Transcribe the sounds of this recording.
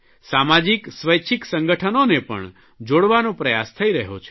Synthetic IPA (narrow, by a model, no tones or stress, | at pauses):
samad͡ʒiksʋəjt͡ʃʰiksə̃ŋɡəʈʰənonepə̰ɳ | d͡ʒoɽʋanõpɾəjast̪ʰəiɾəɦo̰t͡ʃʰe̥